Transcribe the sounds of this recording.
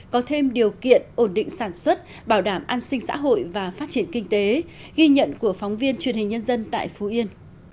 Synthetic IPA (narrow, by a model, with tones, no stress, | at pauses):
kɔ˨˦t̪ʰe˧mɗi˨˩əwkḭ˧˨ənʔo˧˩nɗḭ̈˧˨ŋ̟saː˧˩nswə˦˥t̚ | ɓaː˧˩wɗaː˧˩mʔa˧nsï˧ŋ̟sa̰ː˧˥ɦo̰˧˨jvaː˨˩faː˦˥t̚t͡ɕi˧˩ənkï˧ŋ̟t̪e˨˦ɣi˧ɲə̰˧˨nku˧˩əfɔ˨˦wŋ͡mvi˧ənt͡ɕwi˨˩ənhi˨˩ŋ̟ɲə˧nzə˧nt̪a̰ː˧˨jfu˨˦ʔi˧ən